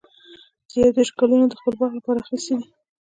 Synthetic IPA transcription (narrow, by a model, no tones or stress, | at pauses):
d̪əjawd̪eʃkalunod̪əxpəlbɑχlapɑɾaxist̪ed̪i